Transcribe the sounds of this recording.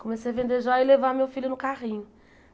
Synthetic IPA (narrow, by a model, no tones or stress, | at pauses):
kõmesejɐvẽnd̪eʒɔɪlevamewfilʊnʊkaʁĩɲʊ